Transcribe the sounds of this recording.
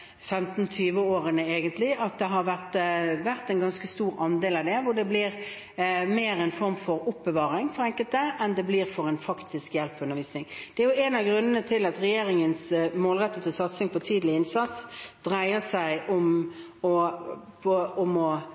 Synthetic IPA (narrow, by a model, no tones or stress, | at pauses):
fɛmt̪n̩t̪ʰyːʋəoːɾənəeːɡənt̪lɪʔɑt̪̚d̪ɛɦɑɾʋæʁt̪ʋæʁt̪ɛnɡɑnskəst̪uːɾɑnd̪eːlɑʋd̪ɛʋʊɖ̪ɛblɪʁ | meːɾɛnfɔʁmfɔɾʊpbəʋɑːʁɪŋfɔʁɛŋkəlt̪əʔɛnd̪ɛbliːʁfɔʁɛnfɑkt̪ɪskjɛlpʉnːəɾʋiːsnɪŋd̪̥ɛæɾjʊɛnɑʋɡʁʉnːənət̪ʰɪlɑt̪ʁɛjeːɾɪŋənsmoːlʁɛt̪ːət̪ɪlsɑt̪sɪŋfɔt̪ʰiːd̪lɪɪnsɑt̪sd̪̥ʁæɪəsæɪʔʊm | ɔpʰɔʊmɔ